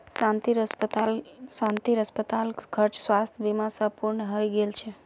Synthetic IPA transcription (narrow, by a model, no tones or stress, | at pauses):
sãnt̪iɾəspət̪alsãnt̪iɾəspət̪alkʰəɾt͡ʃsʋast̪ʰjbimãsə̃puɾɳɦəjɡelt͡ʃʰe